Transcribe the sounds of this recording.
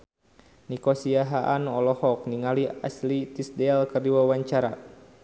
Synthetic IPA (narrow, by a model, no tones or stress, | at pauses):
nikɔsiaɦaʔanɔlɔhɔk̚niŋalia̰slit̪isdɛlkərdiwawaɲt͡ʃaɾa